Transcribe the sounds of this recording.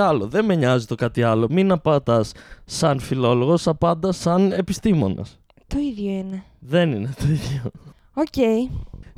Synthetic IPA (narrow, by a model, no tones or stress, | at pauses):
ɐlo̞ðe̞meɲɐzit̪o̞kɐt̪iɐlo̞minɐpɐt̪ɐsːɐnfilo̞lo̞ɣo̞sɐpɐnd̪ɐsɐne̞pist̪imo̞̰nɐ̰s | t̪o̞iðjoine | ðe̞nine̞t̪o̞iðjo | oceij